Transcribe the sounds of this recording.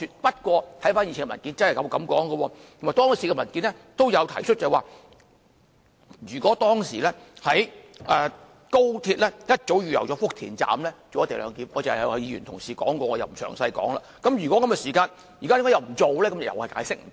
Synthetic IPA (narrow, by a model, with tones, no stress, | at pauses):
y˧t̚pɐ˥t̚kʷɔː˧t̪ʰjfaː˥nji˧ɪ˨˩ŋkmɐ˨˩nki˨˥nt͡snhjkɐ˨˧wkɐ˨˦mkɔ̰ː˨˥ŋɡə˧wɔː˧t̪ʰo˨˩maː˨˩jt̪ɔː˥ŋsiː˨˩ɡɛ˧mɐ˨˩nkiː˨˥nlɛ˥t̪o˥wjɐ˨˧wt̪ʰɐ˨˩jt͡ʃʰɵ˥t̚t͡sa˨˩waː˨˩ | jyː˨˩kʷɔː˨˥t̪ɔː˥ŋsiː˨˩lɛː˥hɐ˨˥jʔɛː˨ | ko˥wt̪ʰi˧t̚lɛː˥jɐ˥t̚t͡so˨˥wɥyː˨jɐ˨˩wt͡sɔː˨˥fʊ˥k̚t̪ʰḭː˨˩nt͡sa̰ː˨mlɛː˥t͡so˨wɐ˥t̪e˨˩lœ̰ː˨˧ŋkiː˨˥mɔː˨˧t͡shhjiː˧yː˨˩nt̪ʰʊ˨˩ŋsiː˨˩kɔː˨˥ŋkɔː˧ŋɔː˧jɐ˨wm̩˨˩sœ̰ː˨˩ŋsɐ˧jkɔ̰ː˨˥ŋla̰ː˧ | kɐ˨˥mjyː˨kɔː˨˥kɐ˨˥mkɛ˧˩siː˨˩kaː˧n | jyː˨˩kaː˥jŋkːɔ˧˥jwm̩˨˩t͡so˨wlɛː˥kɐ˦m˨jɐ̰˨wɐ˨jka̰ː˨˥jsɪ˥k̚m̩˨